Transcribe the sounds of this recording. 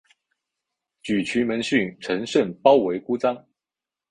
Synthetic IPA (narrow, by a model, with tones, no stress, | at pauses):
t͡ɕy˨˩t͡ɕʰy˧˥mə˧˥nɕy˥˩nʈ͡ʂʰə˧˥ŋʂə˥˩npɑ˥ʊwe˧˥ɪku˥t͡sɑ˥ŋ